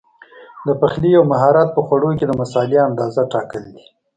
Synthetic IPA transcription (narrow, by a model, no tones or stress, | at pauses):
d̪əpaxlijawmaɦɑɾat̪̚pəxwaɽoked̪əmasɑliand̪ɑzaʈɑkəld̪i